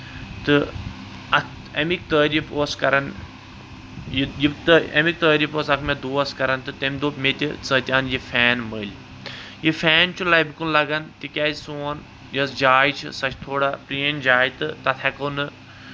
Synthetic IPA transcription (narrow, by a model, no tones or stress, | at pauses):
t̪ɨ | ɐk | ɐmik̚t̪əːɾifoːskɐɾɐn | jijibt̪ɐ̰mik̚t̪əːɾifoːsɐkʰmed̪oːɐskɐɾɐnt̪ɨt̪emʲd̪oːmet̪ʲit͡sə̃ːt̪ʲaːnjifʰɛːnməlʲ | jifɛːnt͡ʃʰulaːjbikunlɐɡɐnt̪ikʲaːzsoːn | jɐsd͡ʒaːjit͡ʃʰḭsɐt͡ʃʰt̪ʰoːɽapɾind͡ʒaːjit̪ɨt̪ɐt̪ʰekɐnɨ